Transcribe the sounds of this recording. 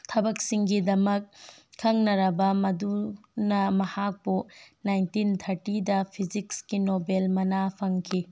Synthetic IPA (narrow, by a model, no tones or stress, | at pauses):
tʰɐbɐksiŋɡidɐmɐkʰː | ɐŋnɐɾɐbɐmɐdu | nɐmɐhak̚bunajntint̪ʰɐɾtidɐpʰizikskinobelmɐnapʰɐŋkʰi